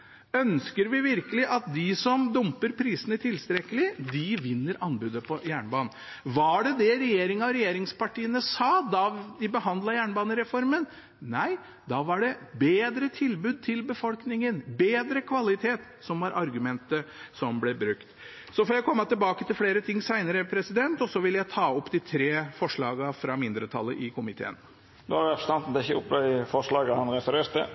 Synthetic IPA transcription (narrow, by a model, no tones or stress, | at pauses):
œnskəɾʋɪʋɪɾkəlɪʔɑt̪̚d̪ɪsɔmd̪ʊmpəɾpʰɾiːsənət̪ʰɪlst̪ɾɛkəlɪd̪ɪʋɪnːəɾʔɑnbʉːd̪əpʰɔjæːɳbɑːnn̩ | ʋɑɖɛd̪ɛɾɛjeːɾɪŋɑɔɾɛjeːɾɪŋspɑʈiːənəsɑːd̪ɑd̪ɪbəhɑnd̪lɑjæːɳbɑːnəɾɛfɔɾmən | næɪ | d̪ɑʋɑɖɛbeːd̪ɾət̪ʰɪlbʉːd̪̚t̪ʰɪlbəfɔlknɪŋənbeːd̪ɾəkʰʋɑlɪt̪ʰeːt̪ | sɔmʋɑɾʔɑɾɡʉmɛnt̪əsɔmblɛbɾʉkt̪ | sɔfɔɾjæɪkʰɔmːət̪ɪlbɑːkət̪ɪlfleːɾət̪ʰɪŋːsæɪnəɾəpʰɾɛsɪd̪ɛnt̪ɔsɔʋɪljæɪt̪ʰɑːɔpːd̪ɪt̪ʰɾeːfɔʂɭɑːɡɑfɾɑmɪnd̪ɾət̪ʰɑ̰lːə̰ʔɪkʰʊmɪt̪ʰḛːən | d̪ɛɾɛpɾə̥st̪ʰɑnt̪n̩t̪ɪçəʊpːd̪æɪfɔʂɭɑːɡəhɑnɾɛfəɾeːɾt̪ə̰